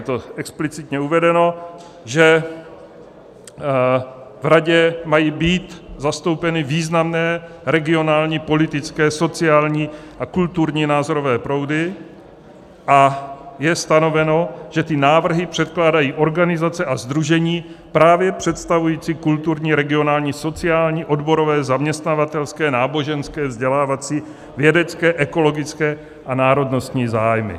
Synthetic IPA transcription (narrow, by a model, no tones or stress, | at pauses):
jɛt̪oɛksplɪt͡sɪt̪ɲɛuvɛdɛno̞ | ʒɛ | vɾaɟɛmajiːbiːt̪zast̪o̞wpɛnɪviːznamnɛː | ɾɛɡɪo̞naːlɲiːpo̞lɪt̪ɪt͡skɛːso̞t͡sɪaːlɲiːʔakult̪uɾɲiːnaːzoɾo̞vɛːpɾo̞wdɪ | ʔajɛst̪ano̞vɛno̞ʒ̥ɛt̪ɪnaːvr̩ɦɪpr̝̥ɛt̪klaːdajiːʔo̞ɾɡanɪzat͡sɛʔazd̪ɾuʒɛɲiː | pɾaːvjɛpr̝̥ɛt̪st̪avujiːt͡sikult̪uɾɲiːɾɛɡɪo̞naːlɲiːso̞t͡sɪaːlɲiːʔo̞dbo̞ɾovɛːzamɲɛst̪navat̪ɛlskɛːnaːbo̞ʒɛnskɛːvzɟɛlaːvat͡siː | vjɛdɛt͡skɛːʔɛko̞lo̞ɡɪt͡skɛː | ʔanaːɾo̞dno̞st̪ɲiːzaːjmɪ̰